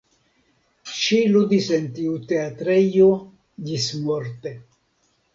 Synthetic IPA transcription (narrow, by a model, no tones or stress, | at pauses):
ʃiludisentiut̪e̞at̪ɾejo | d͡ʒismoɾt̪e